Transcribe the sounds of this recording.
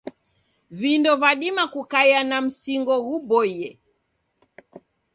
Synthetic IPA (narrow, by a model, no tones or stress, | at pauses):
vindɔvaɗimakukajanam̩siŋɡɔɣuɓɔjɛ